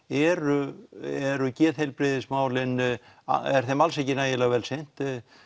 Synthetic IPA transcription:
ɛɾʏɛɾʏcɛːðhejlpɾɪðɪsmaːwlɪn | a̰ɛɾ̥θɛmalsecɪnaːjɪlaɣvɛlsejn̥t̪

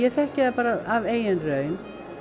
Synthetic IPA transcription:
ɛθɛhcɪðapaːɾaaveːjɛnrœːɥn

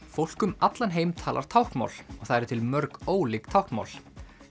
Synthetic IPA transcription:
fowl̥kʏmat̪lanɦeːjmt̪ʰaːlʔa̰ɾ̥t̪ʰawhk̪ma̰wlɔɣθaðɛɾʏt̪ʰɪlmœɾkoːwliːkt̪ʰawhknma̰wl

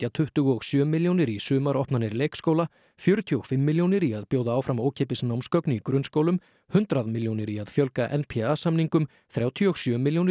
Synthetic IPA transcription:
at̪ʰʏht̪ʏɣɔɣsjœːmːiljownɪɾisʏːmaɾɔhpnanɪɾleːjkskoːwla | fjœːɾʏt̪ʰiɔɣ̥fɪmːiljownɪɾiaðpjoːwðaaːwfɾamoːwcʰeːpɪsnawmskœknʏikɾʏnskowlʏm | hʏnt̪ɾaðmɪljownɪɾiaðfjœlkaʔɛnpʰɛasamniŋkʏm | θɾjaːwt̪ʰiɔɣsjœːmɪljownɪ

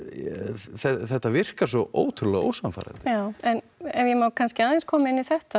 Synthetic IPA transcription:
θɛθɛht̪ːavɪr̥kasɔʔo̰ːwt̪ʰɾulaɣo̰ːwsamfa̰ːɾa̰nt̪ɪjaːwɛn | ɛjɛmaːwkʰanscɪaðenskʰɔːmɪnːiθɛht̪a

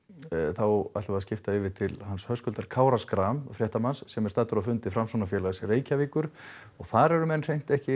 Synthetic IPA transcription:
θawa̰t̪vaðscɪft̪aɪvɪt̪ʰɪlhanshœskʏlt̪aɾ̥kʰaːwɾaskɾamfɾjɛht̪amansːɛmɛɾ̥st̪aːt̪ʏɾafʏnt̪ɪfɾamsɔnafjɛːlaɣsɪreːjcaviːkʏɾ̥ | ɔɣθaɾɛɾʏmɛnr̥ejm̥t̪ɛhcɪ

